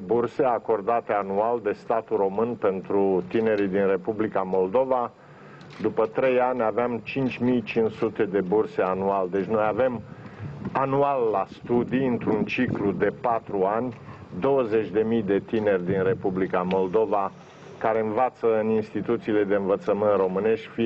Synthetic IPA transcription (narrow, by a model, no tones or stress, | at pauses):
burse̞ako̞rd̪at̪eanuald̪e̞st̪at̪uro̞mɨnpe̞nt̪ɾut̪ine̞ɾid̪inre̞publikamo̞ld̪o̞va | d̪upət̪ɾe̞janʲaveamt͡ʃint͡ʃʲmijt͡ʃinsut̪e̞d̪e̞burse̞anuald̪e̞t͡ʃʲno̞jave̞m | anualːast̪ud̪iɨnt̪ɾunt͡ʃiklud̪e̞pat̪ɾuanʲd̪o̞wəze̞t͡ʃʲd̪e̞mijd̪e̞t̪ine̞rʲd̪inre̞publikamo̞ld̪o̞va | kaɾe̞ɨnvat̪səɨninst̪it̪ut̪siːle̞d̪e̞ɨnvət̪səmɨnt̪ro̞mɨne̞ʃt̪̚ʲfi